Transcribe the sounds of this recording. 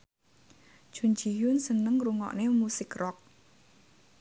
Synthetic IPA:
ʒ̥ṳnd͡ʒi̤jʊnsənəŋruŋɔ̰ʔnemusɪkrɔk̚

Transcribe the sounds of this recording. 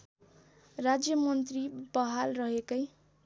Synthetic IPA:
rad͡zjʌmʌnt̪ribʌɦalrʌɦekʌj

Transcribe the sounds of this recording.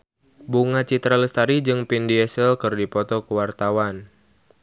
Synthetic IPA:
buŋat͡ʃit̪ɾaləst̪aɾid͡ʒɨŋpindiɛsəlkɨrdipɔt̪ɔkəwart̪awan

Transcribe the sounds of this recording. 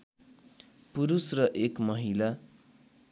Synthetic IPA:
puɾusrʌʔekmʌɦila

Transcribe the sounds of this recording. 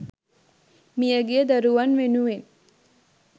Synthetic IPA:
mijəɡejəd̪ɐɾuʋanʋenuʋen

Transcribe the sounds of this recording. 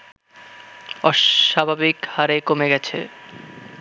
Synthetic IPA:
ɔabʱabikhaɾekomeɡɛt͡ɕʰḛ

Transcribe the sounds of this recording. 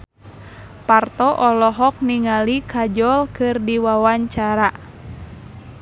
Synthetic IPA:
part̪ɔʔɔlɔɦɔk̚niŋalikʰad͡ʒɔlkɨrdiwawaɲt͡ʃaɾa

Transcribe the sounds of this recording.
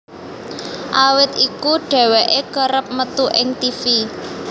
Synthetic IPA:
ʔawɪt̪ikuɖ̥ɛ̤wɛʔekəɾəp̚mət̪uʔɪŋt̪ifi

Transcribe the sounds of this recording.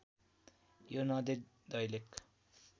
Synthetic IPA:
jonʌd̪e | d̪ʌjlek

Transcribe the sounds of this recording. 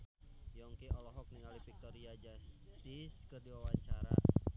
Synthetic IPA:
jɔŋkiɔlɔɦɔk̚niŋalipik̚t̪ɔɾiad͡ʒast̪iskərduwawaɲt͡ʃaɾa̰

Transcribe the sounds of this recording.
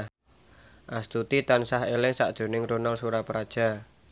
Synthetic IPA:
ʔast̪ut̪it̪ansahelehsa̰ʔd̥ʒ̥o̤nɪŋɾonalsuɾapɾad̥ʒ̥a̤

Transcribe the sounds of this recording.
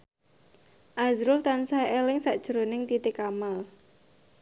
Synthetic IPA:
ʔazɾʊlt̪ansaelɪŋsaʔd̥ʒ̥əɾonɪŋt̪it̪ɪkamal

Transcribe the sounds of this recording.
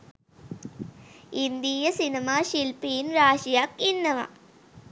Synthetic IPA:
ind̪ijɐsinɐmaːʃilpiːnɾaːʂijaːkinːɐma̰

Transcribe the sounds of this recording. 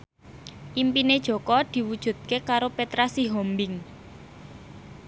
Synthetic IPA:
ʔimpined̥ʒ̥ɔ̤kɔd̪̥i̤wud̥ʒ̥ṳt̪̚kekaɾopet̪ɾasiɦɔmbɪŋ

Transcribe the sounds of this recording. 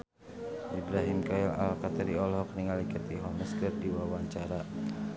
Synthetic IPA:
ʔibɾaɦimkaɛla̰lkat̪əɾiɔlhɔkəniŋalikət̪iɦɔnəskərdiwawaɲt͡ʃaɾa

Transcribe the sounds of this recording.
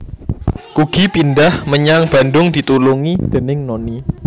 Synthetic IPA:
kuɡ̥ipindahməɲaŋb̥andʊŋd̪̥i̤t̪uluŋid̪̥ənɪŋnoni

